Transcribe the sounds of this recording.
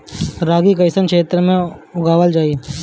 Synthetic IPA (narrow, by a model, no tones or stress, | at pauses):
ɾaːɡikɐɪsənkʰʃeːt̪ɾəmẽʊɡaːʋəld͡ʒaːi